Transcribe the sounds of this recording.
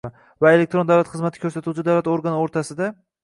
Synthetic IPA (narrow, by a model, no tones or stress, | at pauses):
vae̞lek̚t̪ɾond̪avlat̪χɨzmat̪ʰɪ̥kʲʰɵɾsat̪ut͡ʃʰɪd̪awlat̪oɾɡanoɾt̪ʰasɪd̪a